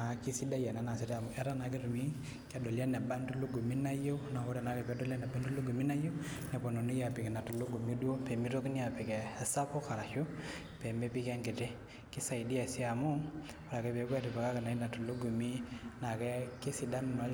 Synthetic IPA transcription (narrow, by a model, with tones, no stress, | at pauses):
a˨ki˦si˦da˦ja˨na˨˦na˨si˨ta˨mu˨ʔɛ˦ɾa˦na˨k̬e˦tu˨mi˦ | ka˦dɔ˨la˦nɛ˨ba˦ndu˦lo˦ɡo˨mi˦na˦jo˦na˨wɔ˦ɾa˨na˨˦kɛ˨pɛ˦dɔ˦la˦nɛ˨ba˦ndu˦lo˦ɡo˨mi˦na˦jo˦nɛ˨pɔ˨no˨nu˦ja˨pi˨kɛ˨na˨tu˨lo˦ɡu˨mi˦du˦o˦pɛ˨mi˦to˦kni˦a˨pɛ˨kɛ˨sa˦pɔ˦ka˨ɾa˨ʃo˦ | pɛ˨me˦pi˦kɛ˦ŋɡe˨tɛ˦ | ki˦sa˨i˨di˦a˨si˦a˨mʊ˦ | a˨ɾa˨kɛ˦pe˨kwa˦tu˨pɛ˨ka˦ka˨na˨˦i˦na˨tu˨lo˦ɡo˨mi˦na˨kɛ˦ke˦si˨da˦n˨nɔ˨˦